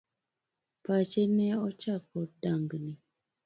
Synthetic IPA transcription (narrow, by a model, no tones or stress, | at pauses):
pat͡ʃenɛɔt͡ʃakɔdaŋɡni